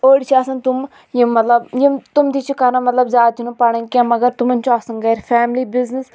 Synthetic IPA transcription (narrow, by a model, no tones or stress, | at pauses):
oːɽit͡ʃʰiɐsɐnt̪um | jimːɐt̪lɐbjimt̪umt̪it͡ʃʰikɐɾamɐt̪lɐbzaːt͡ʃʰunupɐɳɐ̃kʲɐ̃mɐɡɐɾt̪umɐnʲt͡ʃoɐsɐnɡɐɾfʰɛːmlibiznəs